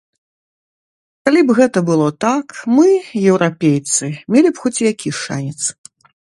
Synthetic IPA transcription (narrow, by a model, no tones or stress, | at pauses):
kalʲibɣɛt̪ɐbɨlˠɔt̪akmɨjɛwɾapʲejt̪sɨmʲelʲipxɔt͡sʲjakʲiʂa̰nʲɛt̪s